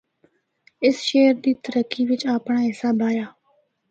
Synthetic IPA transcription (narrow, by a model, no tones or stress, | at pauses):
ɪsʃeːɾd̪iːt̪əɾəkːiːʋɪt͡ʃaːpɳaːɦɪsaːbʱaːjaː